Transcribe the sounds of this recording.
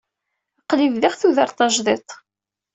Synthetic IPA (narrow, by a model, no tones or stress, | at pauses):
qːlivðiʁθuðəɾˤt̪ˤɑʒðˤet̪ˤ